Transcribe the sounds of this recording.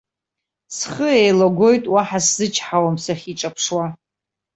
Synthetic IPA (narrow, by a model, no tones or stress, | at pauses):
sχəejlaɡʷo̞jtʼwaħaszɨt͡ʃʰħawamsaχʲiʈ͡ʂʼapʰʂwa